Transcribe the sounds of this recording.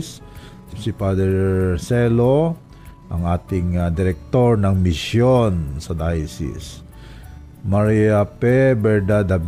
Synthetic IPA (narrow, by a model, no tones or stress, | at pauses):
s | sipad̪ɛɹsɛlo | ʔɐŋaːt̪ɪŋad̪ɪɾɛk̚t̪o̞ɹnɐŋmɪsjonsɐd̪ajsɪ̰s | maɾiapɛbɛɹd̪ad̪ab